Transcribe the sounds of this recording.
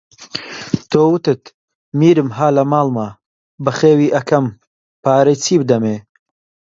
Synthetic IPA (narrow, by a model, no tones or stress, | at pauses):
t̪ʰoːwɨt̪ɨt̪ | miːɾɨmɦaːlɐmaːlma | bɐχeːwiːʔɐkʰɐm | paːɾet͡sʰiːbɨd̪ɐmeː